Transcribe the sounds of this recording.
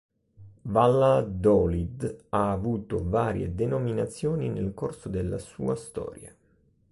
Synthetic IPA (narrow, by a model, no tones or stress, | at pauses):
valːad̪ɔlid̪aːvuːt̪ovaːɾjḛd̪enominat̪sːjoːninelkorsod̪elːa̰sṵːast̪ɔ̰ːɾja